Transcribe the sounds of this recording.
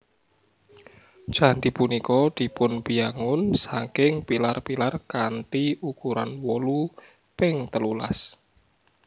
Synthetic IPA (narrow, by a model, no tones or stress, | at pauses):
ʒ̥a̤nd̪ipunikɔd̪̥i̤pʊnpijaŋʊnsakɪŋpilarpilarkaɳʈiukuɾanwɔlu | pɪŋt̪əlula̰s